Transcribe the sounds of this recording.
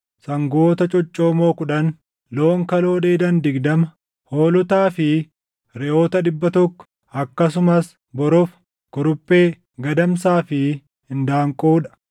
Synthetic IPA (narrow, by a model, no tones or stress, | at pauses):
sɐŋɡoːt̪ɐt͡ʃʼɔt͡ʃʼːo̞ːmo̞ːkʊᶑɐn | loːŋkɐlo̞ːdeːd̪ɐnd̪ɪɡd̪ɐmɐ | hoːlʊt̪aːfɪ | ɾɛʔo̞ːt̪ɐᶑɪbːɐt̪ɔkːɔ̥ | ɐkːɐs̬ʊmɐs | bɔɾɔf | kʊɾʊpʼːe̞ː | ɡɐd̪ɐmsaːfɪ | hɪnd̪aːŋkʼoːᶑɐ̥